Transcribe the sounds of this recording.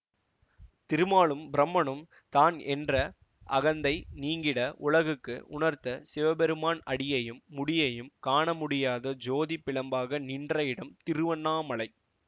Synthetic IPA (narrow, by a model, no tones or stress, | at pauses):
t̪ɪɾɯmaːɭɯmbɪɾɐmːɐɳɯm | t̪aːnɛndrɐ | ʔɐɣɐnd̪ɐɪniːŋɡɪɽɐʔʊɭɐɣɯkːɯ̰ʊɳɐɾt̪ɐsɪʋɐbɛɾɯmaːnɐɽɪjɐjɯmːʊɽɪjɐjɯmkaːɳɐmʊɽɪjaːðɐd͡ʒoːðipːɪɭɐmbaːɣɐnɪndrɐjɪɽɐmt̪ɪɾɯʋɐnːaːmɐɭɐɪ